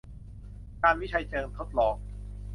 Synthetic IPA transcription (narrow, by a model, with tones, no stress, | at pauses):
kaː˧nwi˦˥˩t͡ɕʰa˧jt͡ɕɤː˧nt̪ʰo˦˥t̪̚lɔː˧˩ŋ̚